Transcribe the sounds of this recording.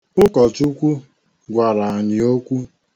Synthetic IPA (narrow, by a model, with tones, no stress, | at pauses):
ʊ˦kɔ˨tu˦kʷu˦ | ɡʷa˨ɾa˨a˨ɲɪ˨o˦kʷu˦